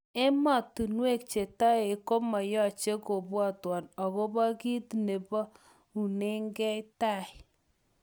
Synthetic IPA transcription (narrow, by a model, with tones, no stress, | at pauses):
e˦mɔ˨tu˨nwe˦k̚t͡ʃe˨ta˦e˨ko˦mɔ˨jɔ˦˨t͡ʃe˦ko˨bwɔ˦˨twɔ˨nɔ˨ko˦bɔ˦ki˦tne˨bɔ˦ | u˨ne˦ŋɡɛ˦ta˦˨ɪ˨